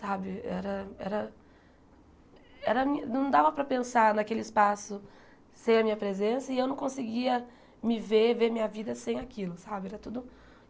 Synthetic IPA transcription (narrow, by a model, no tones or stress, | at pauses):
sabɪɛ̰ɾɐɛ̰ɾɐ | ɛɾɐmĩɐnɐ̃w̃d̪avɐpɾɐpẽsaɾnakelɪɪspasʊ | sẽj̃ɐmĩɲɐpɾezẽsɐɪewnɐ̃w̃kõsɪɡiɐ | mɪveɾveɾmĩɲɐvid̪ɐsẽj̃akilʊsabɪɛɾɐt̪ud̪ʊ